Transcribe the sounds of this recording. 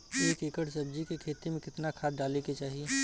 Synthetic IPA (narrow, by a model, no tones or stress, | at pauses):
eːkɪkəʈsɐb̚d͡ʒikekʰeːt̪imẽkɪt̪nakʰaːɖaːleket͡ʃaːɦie